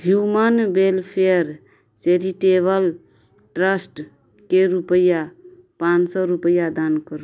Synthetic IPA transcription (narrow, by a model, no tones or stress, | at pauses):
ɦjumənbelpʰeəɾ | t͡ʃeɾiʈeβəl | ʈɾəsʈ | keɾupəja | pãnsɔɾupəjad̪ankəɾ